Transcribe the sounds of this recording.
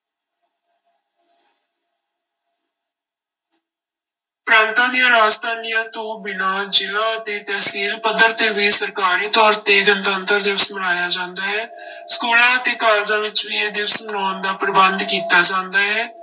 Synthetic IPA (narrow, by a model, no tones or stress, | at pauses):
pɾãːnt̪ãːd̪ijãːɾaːd͡ʒt̪ʰaːnijãːt̪õːbɪnãːd͡ʒɪlãːət̪eːt̪ɛːsiːlpəd̪əɾt̪eːʋiːsəɾkaːɾiːt̪ɔːɾt̪eːɡənt̪ənt̪əɾd̪ɪʋəsmənaːjaːd͡ʒãːnd̪aːɦɛː | skuːlãːət̪eːkaːld͡ʒãːʋɪt͡ʃʋiːeːd̪ɪʋəsmənaːnd̪aːpɾəbənd̪kiːt̪aːd͡ʒãːnd̪aːɦɛː